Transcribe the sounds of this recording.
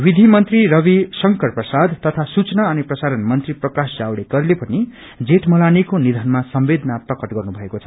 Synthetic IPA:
wid̪ʱimʌnt̪riɾʌβisʌŋkʌrprʌsad̪t̪ʌt̪ʰasut͡snaʌniprʌsaɾʌnmʌnt̪riprʌkasd͡zawɽeɡʌɾilepʌni | d͡zeʈmʌlanikonid̪ʱʌnmasʌmbed̪ʱnaprʌkʌʈɡʌrnubʱʌekot͡sʰʌ

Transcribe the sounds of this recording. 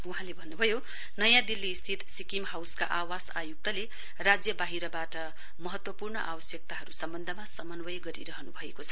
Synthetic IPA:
uɦãlebʱʌnːubʱʌjo | nʌjãd̪ilːiːst̪ʰit̪sikimhawska̰ʔawasajuk̚t̪ʌle | rad͡zjʌbaɦiɾʌbaʈʌ | mʌɦʌt̪wʌpurɳʌʔa̰bʌsjʌk̚t̪aɦʌɾusʌmbʌnd̪ʱʌmasʌmʌnwʌjɡʌɾḭɾʌɦʌnubʱʌekot͡sʰʌ

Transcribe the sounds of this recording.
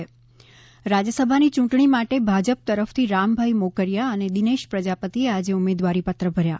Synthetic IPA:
ɾad͡ʒəsəbʱanit͡ʃũʈɳimaʈebʱad͡ʒəp̚t̪əɾəft̪ʰiɾambʱaimokəɾjaəned̪ineʃpɾəd͡ʒapət̪iead͡ʒeumed̪ʋaɾipat̪ɾəbʱəɾja

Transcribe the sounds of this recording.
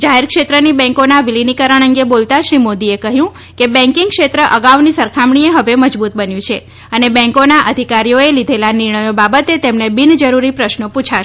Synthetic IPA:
d͡ʒaɦeɾkʃet̪ɾənibɛ̃ŋkonaʋilinikəɾəɳ̃ə̃ŋɡebolt̪aʃɾimod̪iekəɦjũ | kebɛ̃ŋkĩŋɡkʃet̪ɾəʔəɡaʋnisəɾkʰamɳ̃ieɦəʋeməd͡ʒbut̪̚bənjũt͡ʃʰe | ənebɛ̃ŋkonaʔəd̪ʱikaɾijoelid̪ʱelanɪɾɳəjobabət̪et̪emnebind͡ʒəɾuɾipɾəʃnəput͡ʃʰa

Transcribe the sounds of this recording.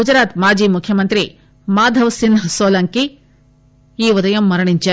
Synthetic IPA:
ud͡ʒɐɾaːt̪maːd͡ʒiːmukʰjɐmɐnt̪ɾi | maːd̪ʱɐʋsinsoːlɐŋki | iːʋɐd̪ɐjɐmːɐɾɐɳiɲt͡ʃe

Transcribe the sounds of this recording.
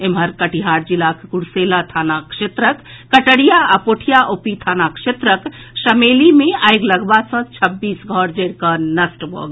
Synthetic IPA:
emɦəɾkəʈiɦaɾd͡ʒilakkuɽselat̪ʰanakʃet̪ɾəkːəʈəɽijaapoʈʰijaʔopit̪ʰanakʃet̪ɾək | səmelimeajɡləɡbasə̃t͡ʃʰəbːisɡʱɔɾd͡ʒəɾkənəsʈbʱo̰ɡ

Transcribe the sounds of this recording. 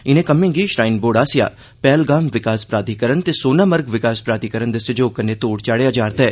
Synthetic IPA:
ɪnẽkɐmẽːŋɡiʃɾaːɪnboːɽaːsɪja̰ː | pɛːlɡaːmʋɪkaːspɾaːd̪ikəɾənt̪esoːnaːməɾɡʋɪkaːspɾaːd̪ikəɾənd̪ɪsed͡ʒoːkənet̪oːɽt͡ʃaːɽeɐd͡ʒaːɾt̪ɛː

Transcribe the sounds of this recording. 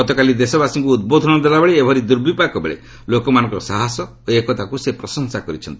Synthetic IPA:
ɔt̪ɔkalid̪esɔbasiŋkuːd̪̚bod̪ʱɔnɔd̪elabeɭeebʱɔɾid̪uɾbipakɔbḛɭḛ | lokɔmanɔ̃ŋkɔɾɔsaɦasɔ | oekɔt̪akusepɾɔsɔŋsakɔɾit͡ʃʰɔnt̪ii̥

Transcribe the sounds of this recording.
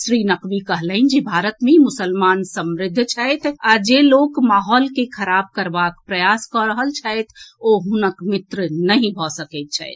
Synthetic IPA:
sɾinəqbikəɦləɪnd͡ʒebʱaɾət̪memʊsəlmansəmɾɪd̪ʱːt͡ʃʰajt̪ʰad͡ʒelokmaɦɔlkekʰəɾab̚kəɾbakpɾəjaskɔɾəɦəlt͡ʃʰajt̪ʰoɦunəkmɪt̪ɾnəɦĩbʱɔsəkət̪̚t͡ʃʰa̰ɪt̪ʰ

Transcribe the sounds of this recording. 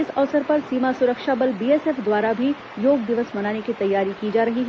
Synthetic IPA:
ɪsɔːsəɾpɐɾsiːmasʊɾəkʃabɐlbiːeːseːfd̪waːɾabʱi | joːɡd̪ɪʋəsmɐnaːnekit̪ɐjːaːɾikid͡ʒaːɾɐɦiɦɛ

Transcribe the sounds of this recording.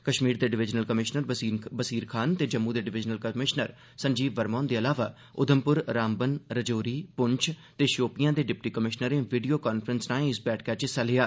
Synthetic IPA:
kəʃmiːɾd̪eːɖɪʋɪd͡ʒnəlkəmɪʃnəɾbəsiːɾkʰaːnt̪eːd͡ʒəmːuːd̪eːɖɪʋɪd͡ʒnəlkəmɪʃnəɾ | səɲd͡ʒiːbʋəɾmɔːnd̪eːəlaːʋaː | ʊ̰d̪ʱəmpʊɾɾaːmbənɾəd͡ʒoːɾiːpʊɲt͡ʃʰt̪eːʃoːpɪjãːd̪eːɖɪp̚ʈiːkəmɪʃnəɾẽːʋiːɖijoːkaːnpʰəɾənsnãːɪsbɛːʈʰkɛːt͡ʃɪsaːlɪjaː

